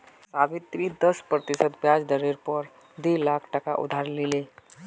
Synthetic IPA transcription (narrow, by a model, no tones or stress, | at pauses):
sabɪt̪ːɾĩd̪əspɾət̪ɪsət̪bjad͡ʒd̪əɾeɾpəɾ | d̪elakʰʈəka̰ʔṵd̪ʱaɾlile